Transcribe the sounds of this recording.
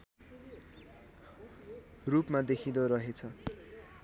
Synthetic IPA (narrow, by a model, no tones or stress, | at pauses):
rupmad̪ekʰid̪ʌɾʌɦet͡sʰʌ